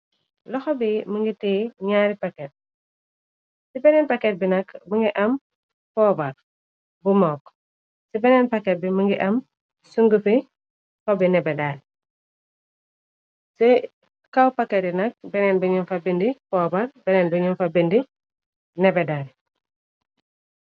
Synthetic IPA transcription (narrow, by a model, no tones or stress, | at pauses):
lɐxɔbiməŋɡitɛɲaːɾipakɛt̚ | sibɛnɛːnpakɛt̚binɐkmɐŋɡiʔɐm | pɔːbɐr | bumɔk | sibɛnɛnpɐkɛt̚bimɐŋɡiʔɐm | suŋɡufi | fɔbinɛbɛdaːɾ | sɛ | kawpakːɛt̚inɐk̚bɛnɛnbiɲɔmfabindipɔːbaɾbɛnɛnbiɲɔnfabindi | nɛbɛdaɾ